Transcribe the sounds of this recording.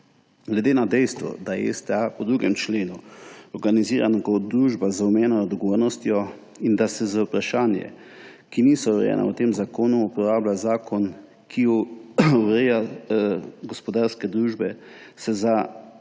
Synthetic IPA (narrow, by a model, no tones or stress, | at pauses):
ɡlɛd̪eːnad̪ɛjst̪ʋɔ̰d̪ajɛɛ̰st̪ɛapɔd̪ɾuːɡɛmt͡ʃleːnuɔɾɡaniziːɾanaɡɔd̪ɾuːʒbazaumɛːnɔɔd̪ɡoʋoːɾnɔst̪jɔ | ind̪asɛzaupɾaʃaːnjɛ̰ | kinisɔuɾɛ̰jɛ̰na̰wt̪eːmzakoːnuːpɔɾaːblazaːkʰɔn | kʰijɔuɾɛja | ɡɔspɔd̪aːɾskɛd̪ɾuːʒbɛsɛza